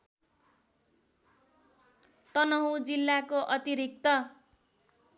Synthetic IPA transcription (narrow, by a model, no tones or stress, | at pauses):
t̪ʌnʌɦud͡zilːakoʔʌt̪iɾik̚t̪ʌ